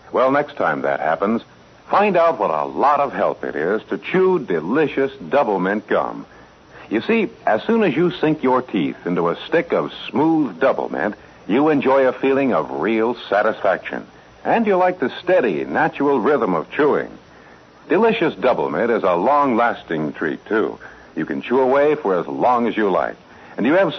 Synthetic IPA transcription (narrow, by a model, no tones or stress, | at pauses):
wɛlˠnɛkstʰã̰ɪ̃mðɨ̰t̚hæ̰pə̃nz̥ | fãɪ̃ndaʊt̚wʌɾə̰lɔɾʌv̥ɦɛ̰lˠpɨ̰ɾɪz̥tʰɨt͡ʃʰudɨlɪʃɨsd̥ʌbl̩ˠmɨ̃n̚ɡ̥ʌ̰̃m | jɨsiɨz̥sũnɨzjɨsɪ̃ŋkjə˞tʰḭθɪ̃ntuəstɪkʌv̥smuðdʌbl̩ˠmɨ̰̃nt | jɨɨ̃nd͡ʒɔɪɨfilˠɪ̃ŋʌvɹilˠsæɾɨsfæ̰kʃɨ̰̃n | ʔɨ̃njɨlaɪk̚ðɨstɛɾḭnæt͡ʃɹl̩ˠɹɪðə̃mʌ̰v̥tʰɹ̥uɪ̰̃ŋ | d̥ɨlɪʃɨsd̥ʌbl̩ˠmɨ̰̃ntɨzəlɔ̃ŋlæstɪ̃ŋtʰɹ̥ḭtʰʉ̰ | jɨkɨ̃nt͡ʃʰuəweɪfə˞əzlɔ̃ŋɨzjɨla̰ɪk | ɨ̃njɨːv̥